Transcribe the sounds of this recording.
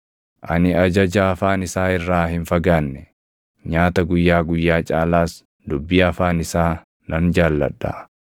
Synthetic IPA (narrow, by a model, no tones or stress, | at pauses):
ʔɐ̰nɪɐd͡ʒɐd͡ʒɐɐfaːnɪsaːɪrːaːhɪnfɐɡaːnːɛ | ɲaːt̪ɐɡʊjːaːɡʊjːaːt͡ʃʼaːlaːs | d̪ʊbːiːɐfaːnɪsaː | nɐnd͡ʒaːlːɐ̰ᶑːa̰